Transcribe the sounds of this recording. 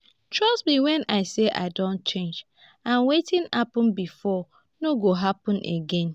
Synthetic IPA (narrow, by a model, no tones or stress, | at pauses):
tʰɹɔsbiwɛ̃nʔaɪseʔa̰ɪdõnt̚t͡ʃẽnd͡ʒ | ãnwetĩnapɔ̃nbifɔ | noɡoɦapɔ̃nʔeɡɛ̃n